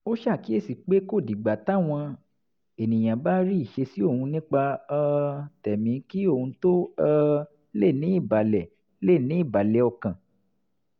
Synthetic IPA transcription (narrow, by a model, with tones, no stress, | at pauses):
o˦ʃa˦˨ki˨˦e˦˨si˨k͡pe˨˦ko˦˨di˨ɡ͡ba˨ta˦w̃ɔ̃˧ | e˨nĩ˨j̃ã˨ba˦ɾi˦i˦˨ʃe˧si˦o˦˨hũ˧nĩ˦k͡pa˧ | tɛ˨mĩ˨˦ki˦o˦˨hũ˧to˦a˦˧ | le˦˨nĩ˨˦i˦˨ba˨lɛ˨ | le˦˨nĩ˨˦i˦˨ba˨lɛ˨ɔ˧kã˨